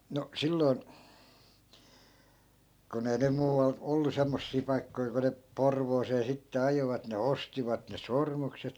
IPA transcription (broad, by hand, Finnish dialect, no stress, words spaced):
no silːoi̯n kun ei nym muːʋɑl olːu semːosːiː pɑikːoi ku ne porʋoːseː sitːe ɑjoʋɑt ne ostiʋɑt ne sormukset